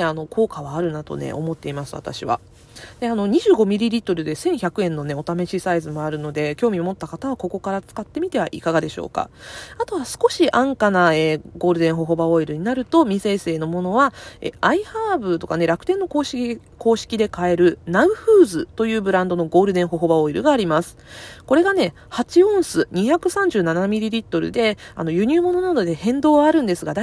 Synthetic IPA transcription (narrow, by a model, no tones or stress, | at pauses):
eano̞kʰo̞ːkaβaːɾɯ̟nat̪o̞̰ne̞̰ʔo̞̰mo̞t̪ːe̞imasɨβa̰t̪a̰ɕiβa̰ | d̪̥e̞ano̞ɲ̟iʑɨːɡo̞mʲiɾʲiɾʲit̪o̞ɾɯ̟d̪e̞sẽ̞ɰ̃çakɯ̟ẽ̞nːo̞ne̞o̞t̪ame̞ɕisaizɨmo̞aɾɯ̟no̞d̪e̞kʲo̞ːmʲimo̞t̪ːakat̪aβako̞ko̞kaɾat͡sɨ̥kat̪ːe̞mʲit̪e̞βaʔikaɡad̪e̞ɕo̰ːka̰at̪o̞βasɨ̥ko̞ɕiʔãŋkanaeːɡo̞ːɾɯ̟d̪eɰ̃ɦo̞ɦo̞bao̞iɾɯ̟ɲ̟inaɾɯ̟t̪o̞mʲise̞ːse̞ːno̞mo̞no̞βaḛaihaːbɯ̟t̪o̞kane̞ɾakɯ̟̥t̪e̞nːo̞koːɕ | ko̞ːɕi̥kʲid̪e̞kae̞ɾɯ̟naɯ̟ɸɯːzɨt̪o̞jɯ̟ːbɯ̟ɾãnd̪o̞no̞ɡo̞ːɾɯ̟d̪ẽ̞ɰ̃ɦo̞ɦo̞bao̞iɾɯ̟ɡaːɾʲimasɨ̥ko̞ɾe̞ɡane̞ | hat͡ɕiõ̞ɰ̃sɨɲ̟içakɯ̟sãɲ̟d͡ʑɨːnanamʲiɾʲiɾʲit̪ːo̞ɾɯ̟̰d̪e̞a̰no̞jɯ̟ɲ̟ʲɨːmo̞no̞nod̪od̪e̞hẽ̞nd̪o̞ːβaːɾɯ̟̃nd̪e̞sɨɡad̪a